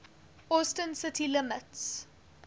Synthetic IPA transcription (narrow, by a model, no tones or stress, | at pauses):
ɔstənsɪtʰilɪməts